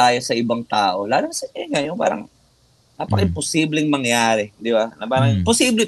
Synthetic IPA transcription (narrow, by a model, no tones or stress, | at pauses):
aːjosɐʔɪbaŋt̪aːʔo̞laːlonsɐaŋajʊŋpa̰ːɾɐ̰ŋ | naːpɐkɪmposiːblɪŋmɐŋjaːɾɛd̪ɪbanɐpaːɾɐŋposiːblɛ